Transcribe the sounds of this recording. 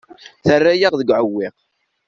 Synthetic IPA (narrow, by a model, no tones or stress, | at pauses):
θərːæjaʁðəɡʕəwːiʁ